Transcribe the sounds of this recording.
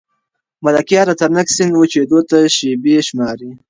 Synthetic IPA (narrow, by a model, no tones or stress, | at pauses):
malakjɑɾat̪aɾnaksɪnwət͡ʃed̪ot̪aʃebeʃmɑːɾi